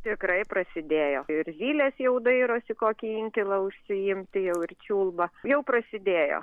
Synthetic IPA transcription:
t̪ʲɪkɾɐɪpɾɐsʲɪd̪ʲeːjoːɪɾzʲiːlʲeːsjɛʊd̪ɐɪɾoːsʲɪkoːkʲiɪŋʲkʲɪlˠɐʊʃʲsʲɪɪmʲt̪ʲɪjɛʊɪrt͡ʃʲuːlˠbɐjɛʊpɾɐsʲɪd̪ʲeːjo̰ː

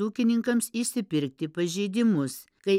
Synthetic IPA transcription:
uːkʲɪnʲɪŋkɐmsiʃsʲɪpʲɪɾʲk̚t̪ʲɪpɐʒʲɛɪd̪ʲɪmʊs | kɐɪ

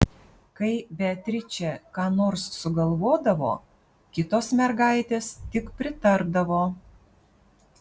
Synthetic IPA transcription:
kɐɪbʲɛt̪ʲɾʲɪt͡ʃʲɛkɑːnoːɾsːʊɡɐlˠʋoːd̪ɐʋo̰ː | kʲɪt̪oːsmʲɛɾɡɑˑɪt̪ʲeːst̪ʲɪkpʲɾʲɪt̪ɐɾbd̪ɐʋoː

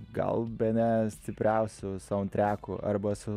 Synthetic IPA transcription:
ɡɐ̰lˠbʲɛnʲɛsʲt̪ʲɪpʲɾʲɛʊsʲʊsɑʊnt̪ʲɾʲæːkuʔɐ̰ɾbɐsʊ

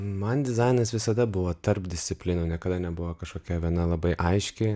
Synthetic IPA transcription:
mɐnd̪ʲɪzɐɪnɐsʋʲɪsɐd̪ɐbʊʋoːt̪ɐrpd̪ʲɪsʲt̪sʲɪpʲlʲɪnunʲiɛkɐd̪ɐnʲɛbʊʋoːkɐʃkoːkʲɛʋʲiɛnɐlˠɐbɐɪʔɐɪʃʲkʲɪ

